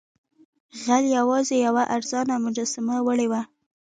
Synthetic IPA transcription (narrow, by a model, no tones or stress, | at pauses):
ɣaljawɑzejawaʔaɾzɑnamʊd͡ʒɑsamawəɽewa